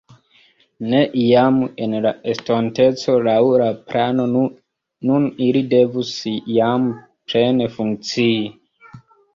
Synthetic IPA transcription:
ne̞ʔiamenlaestonte̞t͡so̞lawɾapɾano̞ | nunilide̞vusijam | pɾenefuŋk̚t͡siː

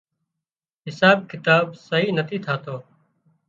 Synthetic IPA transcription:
ɦɪsaːb̚kɪt̪aːbsəɦiːnət̪ʰiːt̪ʰaːt̪oː

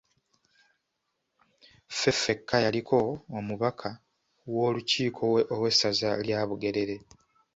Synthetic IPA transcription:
fe̞fe̞kʰːajalikʰo̞ːmuβakʰa | wo̞ːluciːkʰo̞owe̞sːazaljaːβuɡe̞ɾe̞ɾe̞

